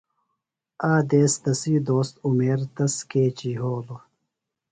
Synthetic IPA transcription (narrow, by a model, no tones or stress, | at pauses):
aːd̪eːst̪ɐsiːd̪oːst̪umeːɾt̪ɐskeːt͡ɕiːɦoːlo